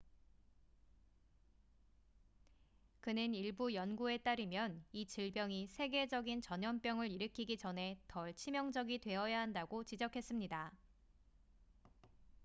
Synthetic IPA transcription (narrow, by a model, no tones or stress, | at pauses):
kɯnɯniɭbujʌnɡue̞t͈aɾɯmjʌnit͡ɕɯɭbjʌŋisʰe̞ɡe̞d͡ʑʌɡint͡ɕʌɲʌmp͈jʌŋɯɾiɾɯkʰiɡid͡ʑʌnɦe̞tʌɭt͡ɕʰimjʌŋd͡ʑʌɡitwe̞ʌjaɦandaɡot͡ɕid͡ʑʌkʰe̞s͈ɯmɲida